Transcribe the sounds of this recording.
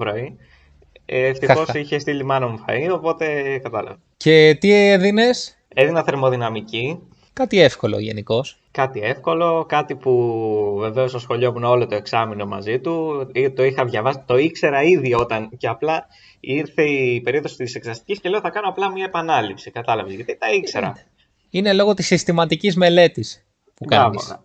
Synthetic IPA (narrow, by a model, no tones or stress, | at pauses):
vɾoi | ft̪ixo̞siçe̞st̪ilimɐnomufɐ̰io̞po̞t̪e̞kɐt̪ɐ̰lɐ̰vɐce̞t̪ieðine̞s | e̞ðinɐθe̞ɾmo̞ðinɐmici | kɐt̪iefkolo̰ʝe̞̰niko̞s | kɐt̪ie̞fko̞lo̞kɐt̪ipuve̞ve̞o̞stosxo̞ʎo̞muno̞lo̞t̪o̞e̞ksɐmino̞mɐ̰zit̪ut̪o̞ixɐvʝɐvɐsi̥t̪o̞ikse̞ɾɐiðio̞t̪ɐnceɐplɐ | iɾθeipe̞ɾio̞ðosi̥t̪iseksɐst̪i̥cisce̞le̞oθɐkɐnoɐplɐmɲɐepɐnɐlipsikɐt̪ɐlɐvezʝɐt̪it̪ɐikse̞ɾɐ̰ | ine̞lo̞ɣo̞t̪isːist̪imɐt̪icizme̞le̞t̪is | pukɐviosɐ̰